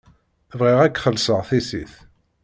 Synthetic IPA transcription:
vʁɪʁækːχəlsəʁθisiθ

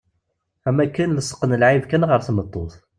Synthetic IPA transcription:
æmækːənləsˤə̥qːənəlʕivkænʁəɾθmət̪ˤːoθ

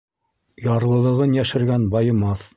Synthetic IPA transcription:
jɑɾlˠɤ̆lˠɤ̆ʁɤnjæʃɘ̆ɾɡænbɑjɤ̆mɑθ

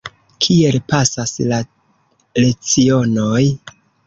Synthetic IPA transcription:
kʰie̞lpasasla | le̞t͡sio̞noj

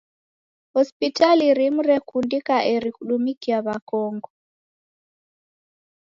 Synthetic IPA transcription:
hɔspitaliɾimuɾɛkundikaʔeɾikuɗumikiaβakɔŋɡɔ

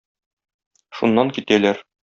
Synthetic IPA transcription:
ʃunːɑŋkit̪ælæɾ

